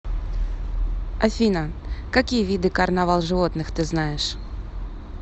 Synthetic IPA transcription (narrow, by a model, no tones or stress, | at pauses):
ɐfʲinəkakʲijəvʲid̪ɨkɐrnavɑlˠʐɨvot̪nɨxt̪ɨznajɪʂ